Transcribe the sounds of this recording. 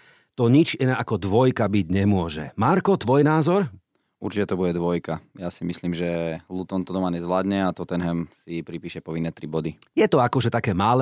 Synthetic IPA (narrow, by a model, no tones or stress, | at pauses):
t̪ɔɲit͡ʃinaʔakɔd̪ʋɔjkabiɟɲɛmʊɔʒɛ̰maɾkɔt̪ʋɔjnaːzɔɾ | ṵɾt͡ʃicɛt̪ɔbuɟɛd̪ʋɔjkajasimisliːmʒɛlut̪ɔnt̪ɔd̪ɔmaɲɛzʋlaːd̪ɲɛat̪ɔt̪ɛnɦɛmsipɾipiːʃɛpɔʋinːɛt̪ɾibɔd̪i | jɛt̪ɔakɔʒɛt̪akɛːmalɛ